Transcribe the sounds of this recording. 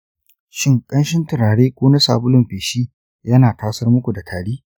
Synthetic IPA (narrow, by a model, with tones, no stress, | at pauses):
ʃɪ˦ŋkʼɐ˦nʃɪ˦ntɪ˨ɽaː˨ɽeː˦kʷoː˦na˦saː˨bʊ˦lʊ˦mɸeː˨ʃiː˦ | jɐ˦naː˨taː˦sɐ˦rmʊ˦kʷu˨da˨tʰaː˨ɽiː˦